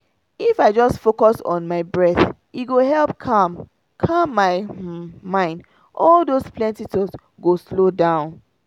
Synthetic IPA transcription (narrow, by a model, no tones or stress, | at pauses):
ifaɪd͡ʒɔstfokɔsɔ̃n̩maɪbɹɛθ | iɡoɦɛlˠpkʰãm | kʰamːaɪmãɪ̃nd | ʔɔlˠdozpʰlɛ̃ntitɔz | ɡoslodãʊ̃n